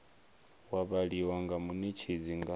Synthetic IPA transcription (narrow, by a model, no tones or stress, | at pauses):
waβaɺiwaŋɡamunit͡ʃʰid͡ziŋɡa